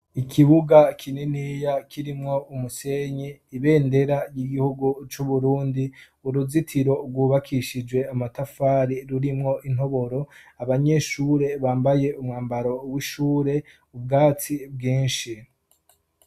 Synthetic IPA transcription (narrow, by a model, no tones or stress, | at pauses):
ikʰiβuɡakʰininijakʰiɾimŋo̞umuse̞ɲiːβe̞ːnde̞ɾajiɡihuɡut͡ʃuβuɾuːndi | uɾuzitʰiɾo̞ɾɡwuːβakʰiʃid͡ʒɡwe̞amatafaːɾiɾuɾimŋo̞ʔin̥ho̞βo̞ɾo̞ | aβaɲe̞ʃuːɾe̞βaːmbaje̞umŋaːmbaɾo̞wiʃuːɾe̞ | ub̚ɡaːt͡sibɡiːnʃi